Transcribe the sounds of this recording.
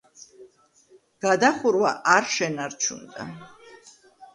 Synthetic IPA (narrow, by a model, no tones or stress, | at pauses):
ɡ̥ad̪aχuɾwaʔaɾʃɛnaɾt͡ʃʰṵnd̪a̰